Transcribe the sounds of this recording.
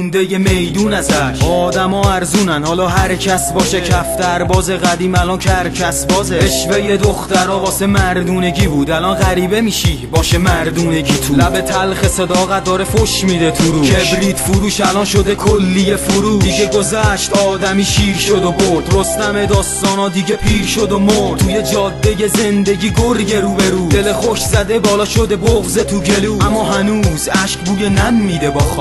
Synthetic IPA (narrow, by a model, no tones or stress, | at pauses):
und̪ejemejd̪uːnæzæʃɒːd̪æmɒːæɾzuːnænhɒːlɒːɦæɾcʰæsbɒːʃecʰæft̪æɾbɒːze̞ɣæd̪iːmælɒncʰæɾcʰæsbɒːzeeʃvejed̪oxt̪æɾɒːʁɒːsemæɾd̪uːne̞ɟiːbuːd̪ælɒnɣæɾiːbe̞miːʃibɒːʃemæɾd̪uːne̞ɟiːt̪ʰulæbe̞t̪ʰælxesed̪ɒːɣæt̪̚d̪ɒːɾefoʃmiːd̪et̪ʰuɾuːebɾiːt̪fuɾuːʃælɒnʃo̞d̪ekʰolːijefuɾuːd̪iʃɡeɡo̞zæʃt̪ɒːd̪æmiːʃiːɾʃo̞d̪oboɾdd̪ɾo̞st̪æmed̪ɒːst̪ɒːnɒːd̪iɟepʰiːɾʃod̪omoɾt̪ʰujed͡ʒɒːd̪ːeje̞ze̞nd̪e̞ɟiːɡoɾɡe̞ɾuːbeɾuːd̪e̞lexoʃzæd̪e̞bɒːlɒːʃo̞d̪eboɣzet̪ʰuɟeluːæmːɒːɦænuːzæʃkbuːjenæmːiːd̪e̞bɒːx